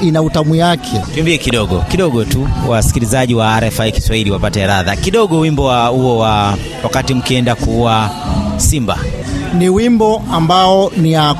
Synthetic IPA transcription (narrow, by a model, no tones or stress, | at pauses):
inautamujakʰɛtuimbiɛkiɗɔɠɔ̰kiɗɔɠɔtuwasi̥kilizaʄiwaːɾɛfaiki̥swahiliwapatɛɾaðakiɗɔɠɔwimbɔwahuɔwa | wakatim̩kiɛndakuwa | simba̰ | niwimbɔambaɔnia